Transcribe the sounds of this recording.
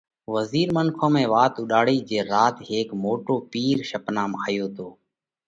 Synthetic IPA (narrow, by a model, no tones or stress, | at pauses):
ʋəziːɾmənkʰõːmẽːʋaːt̪ʊɗaːɽiːd͡ʒeːɾaːt̪ɦeːkmoːʈoːpiːɾʃəpnaːmaːjoːt̪ʰoː